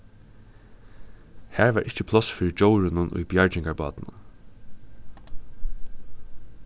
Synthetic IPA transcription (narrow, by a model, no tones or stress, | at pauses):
hæːɹʋaːɹʔɪçt͡ʃəpʰlɔsfiːɾɪd͡ʒowɹɪnʊnʊ̰jbjaɹt͡ʃɪŋkaɹbɑ̰ːt̪nʊ̰n